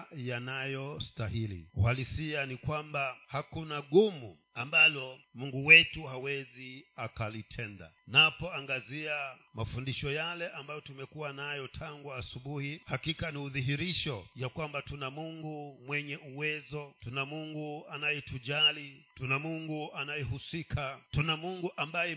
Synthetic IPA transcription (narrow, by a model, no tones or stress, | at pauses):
janajɔstahilḭuhalisianikwambahakunaɡumṵ | ambalɔmuŋɡuwɛtuhawɛziakalitʰɛnda̰napɔaŋɡaziamafundiʃɔjalɛʔambajɔtumɛkuwanajɔtʰaŋɡuasuɓuhihakikaniuðiɦiɾiʃɔjakwambatunamuŋɡumwɛɲɛʔuwɛzɔtunamuŋɡuanajɛtuʄalitunamuŋɡuanajɛɦusikʰatunamuŋɡuʔambajɛ